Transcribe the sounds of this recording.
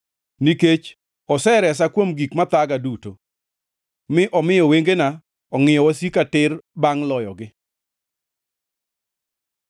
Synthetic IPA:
niket͡ʃ | ɔsɛɾɛs̬akwomɡikmat̪aɡaduto̰ | mɪʔɔmɪjɔweŋɡena | ɔŋɪjɔwasikatɪrbaŋlɔjɔɡɪ

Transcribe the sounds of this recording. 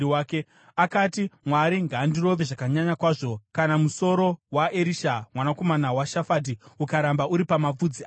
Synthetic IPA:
waːke | akatimwaɾiŋɡaːndiro̞ʋeʐakaɲaɲakwaːʐo̞kanamuso̞ɾo̞waʔeɾiʃamwanako̞manawaʃafadiukaɾambaʔuɾipamap͡fud͡zia

